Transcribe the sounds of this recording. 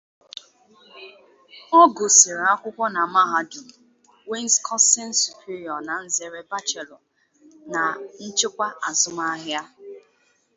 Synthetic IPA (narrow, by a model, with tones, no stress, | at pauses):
ɔ˦ɡo˨sɪ˨ɾa˦kʷʊ˦kʷɔ˦na˨ma˦ɦa˦dʊ˨ | we˦n˦skʰɔ˦nste˦nsu˨pʰi˦ɾi˨ɔ˨na˨n̩˦ze˨ɾe˦ba˦t͡ʃe˨lɔ˨ | na˨n̩˦t͡ʃe˦kʷa˦a˨zʊ˦ma˦ɦja˦